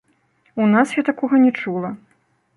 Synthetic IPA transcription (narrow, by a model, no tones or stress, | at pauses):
unasjat̪akɔɣɐnʲɛt͡ʂulˠɐ